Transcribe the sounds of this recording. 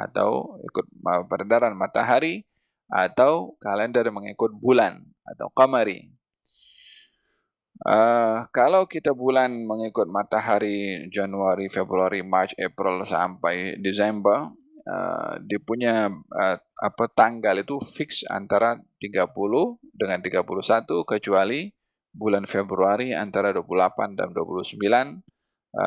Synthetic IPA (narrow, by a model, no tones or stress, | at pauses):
a̰t̪a̰wḭkʊt̪̚əpəɾadaɾanmat̪aɦaɾi | a̰t̪awkalɛndərməŋikʊt̪̚bulan | a̰t̪a̰wkaməɾḭ | ʔəkalawkit̪abulanməŋikʊt̪̚mat̪aɦaɾid͡ʒanuaɾifebɾuaɾimat͡ʃɛpɾilsa̰mpajdisɛmbər | ə̰dipuɲaəa̰pat̪aŋɡalit̪ufɪksa̰nt̪aɾat̪iɡapulʊhdəŋant̪iɡapuluhsat̪ukət͡ʃuali | bulanfebɾuaɾia̰nt̪aɾaduapululapanda̰mduapuluhsəmbilan